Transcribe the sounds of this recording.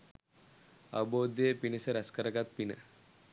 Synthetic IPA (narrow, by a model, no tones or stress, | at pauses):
ɐ̰bod̪epinəsɐɾɐskɐɾɐɡat̪̚pinə̰